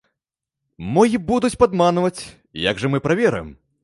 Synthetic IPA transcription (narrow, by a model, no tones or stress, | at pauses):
mɔjibud̪ut͡sʲpad̪manvɐt͡sʲ | ja̰ɡʐɐmɨpɾavʲɛɾɨ̰jm